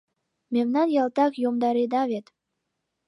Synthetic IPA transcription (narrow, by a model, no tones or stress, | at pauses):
memnɑnjɑlt̪ɑkjomd̪ɑɾed̪ɑβet̪